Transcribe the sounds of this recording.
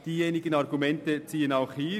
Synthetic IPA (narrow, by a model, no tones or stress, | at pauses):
d̥iːjeːnɪɡənɑɾɡumɛntət͡siːənaʊxhiː